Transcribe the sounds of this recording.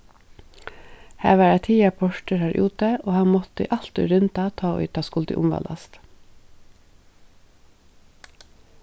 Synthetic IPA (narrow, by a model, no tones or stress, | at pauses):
hæ̰ːʋɑːɾæt̪ʰiːɑpʰɔʂʈəɾhæːɹʔṵːt̪əʔoːhɑnmɔt̪ə̰ʔɑlt̪ʊ̰ʏɾʏnt̪ɑt̪ʰɑːɔ̰ʏt̪ʰɑːskʊld̪ə̰ʔʊ̰mʋɑ̰lɑ̰st̪